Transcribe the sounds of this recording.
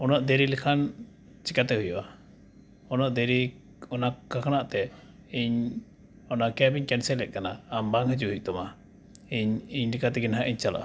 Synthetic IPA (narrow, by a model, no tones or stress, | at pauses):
ɔnɔʔd̪ɛɾilikʰan | t͡ʃikat̪ɛhujɔʔa | ɔnɔʔd̪ɛɾi | ɔnakakanaʔt̪ɛ | iɲ | ɔnakɛbiɲkɛnsɛlɛʔ̚kanaːmbaŋhəd͡ʒuɦuc̚t̪ɔma | iɲiɲlikat̪ɛɡinɦaʔiɲt͡ʃala̰ʔa̰